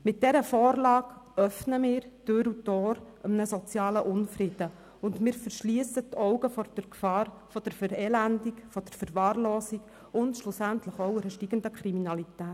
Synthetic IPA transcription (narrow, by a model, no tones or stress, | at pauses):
mɪt̚d̥ɛɾəfɔːɾlɑːɡœfnəmɪːɾd̥øɾutɔːɾʔəmnəsɔt͡sjɑːləʔʊnfrɪd̥ə | ʊndmɪːɾfəɾʃliəsətɔwɡəfɔd̥əfɑː | fɔd̥əɾfɛɾɛːlændikfɔd̥əɾfəɾʋɑːrlɔːsik | ʊntʃlʊsæntləχɔʊɛɾəʃtiːɡ̥əndəkʰɾiminɑlitæːt